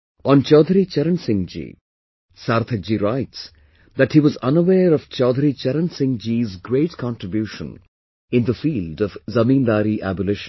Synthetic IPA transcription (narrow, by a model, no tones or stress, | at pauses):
ʔɔ̃nt͡ʃɔːd̪ʱɾit͡ʃɛɾə̃nsɪ̃ŋd͡ʒḭ | saɾt̪ʰəd͡ʒiɾaɪʈs | ðæʈhiːʋɔzʌ̃nəweːɾɔv̥t͡ʃɔd̪ʱɾit͡ʃɛɾə̃nsɪ̃ŋd͡ʒizɡɾeɪʈkʰɑ̃nʈɾɪbjuʃə̰̃n | ɪ̃nðəfiːldʌvzɐmĩːnd̪aːɾiʔæbəlɪʃ